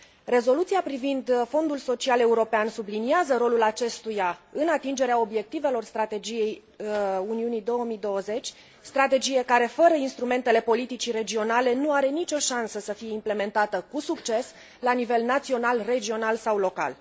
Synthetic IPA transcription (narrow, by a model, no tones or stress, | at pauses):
re̞zo̞lut̪sijapɾivind̪fo̞nd̪ulso̞t͡ʃiale̞uɾo̞peansubliniazəɾo̞lulat͡ʃe̞st̪ujaɨnat̪ind͡ʒe̞ɾeao̞bje̞k̚t̪ive̞lo̞rst̪ɾat̪e̞d͡ʒije̞j | uniunijd̪o̞wəmid̪o̞wəze̞t͡ʃʲ | st̪ɾat̪e̞d͡ʒije̞kaɾe̞fəɾəinst̪ɾume̞nt̪e̞le̞po̞lit̪it͡ʃire̞d͡ʒio̞nale̞nuaɾe̞nit͡ʃo̞ʃansəsəfije̞imple̞me̞nt̪at̪əkusukt͡ʃe̞s | lanive̞lnat̪sio̞nalre̞d͡ʒio̞nalsawlo̞ka̰l